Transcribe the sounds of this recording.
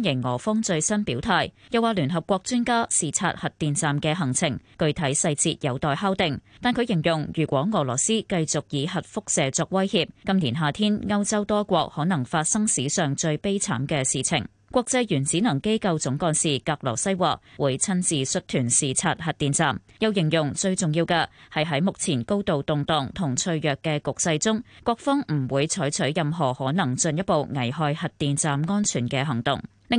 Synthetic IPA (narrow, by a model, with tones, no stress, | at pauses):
njɪ˨˩ŋŋɔː˨˩fɔ˥ŋt͡ʃɵ˧ɥsɐ˥npiː˨˥wt̪ʰaː˨jjɐ˨waː˨˩lyː˨˩nɦɐ˨p̚kʷɔː˧k̚t͡ʃyː˥nkaː˥siː˨t͡sʰa̰ː˧t̚hɐ˨t̚t̪iː˨nt͡saː˨mkɛː˧ɦɐ˨˩ŋt͡sʰɪ˨˩ŋkɵ˧ɥt̪ʰɐ˨˥jsɐ˧jt͡siː˧t̚jɐ˨˧wt̪ɔː˨jɦaː˥wt̪ɪ˨˩ŋt̪aː˨nkʰɵ˨˧ɥjɪ˨˩ŋjʊ˨˩ŋjyː˨˩kʷɔː˨˥ŋɔː˨˩lɔː˨˩siː˥kɐ˧jt͡sʊ˨˩k̚jiː˨˧ɦɐ˨t̚fʊ˥k̚sɛː˨t͡sɔː˧k̚wɐ˥jhiː˧p̚kɐ˥mniː˨˩nɦaː˨˩t̪ʰiː˥nŋɐ˥wt͡sɐ˥wt̪ɔː˥kʷɔː˧k̚hɔː˨˥nɐ˨˩ŋfaː˧t̚sɐ˥ŋsiː˨˥sœː˨˩ŋt͡ʃɵ˧ɥpe˥jt͡sʰa̰ː˨˥mkɛː˧siː˨t͡sʰɪ̰˨˩ŋ | kʷɔː˧k̚t͡sɐ˧jjyː˨˩nt͡siː˨˥nɐ˨˩ŋke˥jkɐ˧wt͡sʊ˨˥ŋkɔː˧nsiː˨kaː˧k̚lɔ̰ː˨˩sɐ˥jwa̰ː˨˩k̚wuː˨˧jt͡sʰɐ˥nt͡siː˨sɵ˥t̚t̪ʰyː˨˩nsiː˨t͡sʰaː˧t̚hɐ˨t̚t̪iː˨nt͡saː˨mjɐ˨˧wjɪ˨˩ŋjʊ˨˩ŋt͡sɵ˧ɥt͡sʊ˨ŋjiː˧wkɛː˧hɐ˨˩jɦɐ˨˥jmʊ˨k̚t͡sʰiː˨˩nko˥wt̪o˨wt̪ʊ˨ŋt̪ɔː˨˩ŋt̪ʰʊ˨˩ŋt͡ʃʰɵ˧ɥjœː˨kːɛː˧kʊ˨k̚sɐ˧jt͡sʊ˥ŋkʷwɔː˧k̚fɔ˥ŋm̩˨˩wuː˨˧jt͡sʰɔː˨˥jt͡ʃʰɵ˨˥ɥjɐ˨mɦɔː˨˩hɔː˨˥nɐ˨˩ŋt͡sɵ˧njɐ˥t̚po˨wŋɐ˨˩jɦɔː˧jhɐ˨t̚t̪iː˨nt͡saː˨mŋɔː˥nt͡ʃʰyː˨˩nkɛː˧ɦɐ˨˩ŋt̪ʊ̰˨ŋ | lɪ˨